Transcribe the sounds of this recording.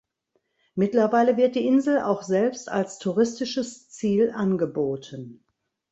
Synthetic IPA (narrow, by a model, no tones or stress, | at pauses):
mɪtlɐvaɪləvɪɐt̚d̥iːʔɪnzl̩a̰ʊxz̥ɛlpsta̰lstʰuʁɪstɪʃəst͡siːlʔanɡəboːtʰən